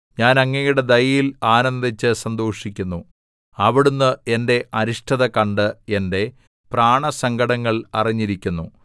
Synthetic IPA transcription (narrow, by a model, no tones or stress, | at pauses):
ɲaːnɐŋːɐjuɽe̞d̪ɐjɐjilaːnɐnd̪it͡ɕːɨsɐnd̪o̞ːʂikʲːunːu | ɐʋiɽunːɨe̞nde̞ɐɾiʂʈʰɐðɐkɐɳɖɨe̞nde̞ | praːɳɐsɐŋɡɐɽɐŋːɐɭɐriɲːiɾikʲːunːu